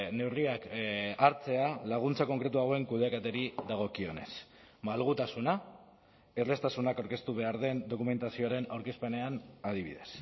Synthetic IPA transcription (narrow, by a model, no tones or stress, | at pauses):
ne̞wriakaɾt͡se̞alaɣ̞unt͡sako̞ŋkɾe̞t̪uaɣoe̞ŋkuðeaket̪eɾiðaɣ̞o̞kio̞ne̞̰s | malɣ̞ut̪asuna | e̞rle̞st̪asunakawɾke̞st̪uβ̞e̞aɾðe̞nd̪o̞kume̞nt̪asio̞aɾe̞nawɾkispe̞ne̞anaðiβḭðe̞̰s